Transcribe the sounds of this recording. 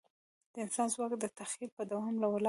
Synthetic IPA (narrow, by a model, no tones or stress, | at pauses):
d̪̥əɪnsɑnzwɑkd̪ət̪axilpəd̪awɑmlawəlɑ